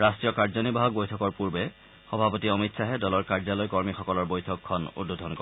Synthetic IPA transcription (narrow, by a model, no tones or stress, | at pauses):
ɹastɹijɔkaɹzɔnibaɦɔk̚bojtʰɔkɔɹpuɹbɛ | xɔbʱapɔtiɔmitsaɦɛdɔlɔɹkaɹzalɔjkɔɹmixɔkɔlɔɹbojtʰɔkʰːɔnṵdodʱɔnkɔ